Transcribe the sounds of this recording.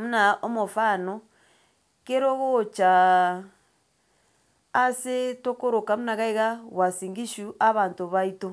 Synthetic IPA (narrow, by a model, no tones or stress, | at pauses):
munaomofano | keɾoɣot͡ʃa | setokoɾokamunaɣaiɣawasiːŋɡiʃuʔaβaːntoβaito